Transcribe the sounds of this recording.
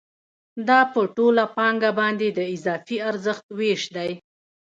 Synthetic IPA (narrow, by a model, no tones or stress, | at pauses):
d̪ɑpəʈolapɑŋɡabɑnd̪ed̪əɪzɑfiaɾzəxt̪weʃd̪aj